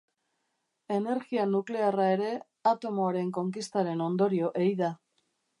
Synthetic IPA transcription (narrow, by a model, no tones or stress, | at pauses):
e̞ne̞ɾɣianukle̞arae̞ɾe̞ | at̪o̞moaɾe̞ŋko̞ŋkist̪aɾe̞no̞nd̪o̞ɾio̞ʔejða